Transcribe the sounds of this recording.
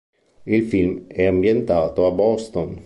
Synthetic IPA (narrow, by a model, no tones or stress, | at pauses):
ilfilmɛambjent̪aːt̪oabɔst̪on